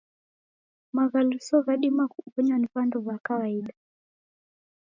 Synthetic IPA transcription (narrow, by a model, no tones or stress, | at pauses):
maɣalusɔβaɗimakuβɔɲwaniβandɔβwakawaiɗa